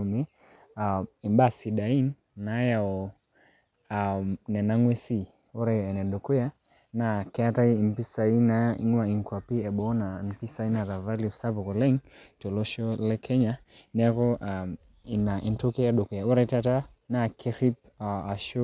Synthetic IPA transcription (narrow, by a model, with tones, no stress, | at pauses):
mɛ˦ | a˨i˨mba˦si˨ɗa˨i˦nː | a˨ja˨ɔ˨ | a˨nɛ˨na˦ŋwɛ˦si˦ | ɔ˦ɾa˧jɛ˨nɛ˨ɗɔ˨ku˦ja˦ | na˨kɛa˦ta˦i˦i˨m˨pi˦sa˨i˦na˨ḭ˦ŋwa˨i˨ŋkwa˨pi˦ɛ˨ɓɔ˦na˨n˨pi˦sa˨i˦na˨ɾa˨va˦li˨fsa˦vɔ˨kɔ˨lɛ˦ŋtɔ˨lɔ˦ʃɔ˦lɛ˦kʰɛ˦ɲa˦ | nɛ˦kɔ˦ʔa˨ | i˨na˨ʔi˨ntɔ˦kɛ˦a˦ɗɔ˨ku˨ja˨ɔ˦ɾa˦ta˦ta˦ | na˨kʰɛ˦ɾi˦p̚ | a˨a˨ʃu˦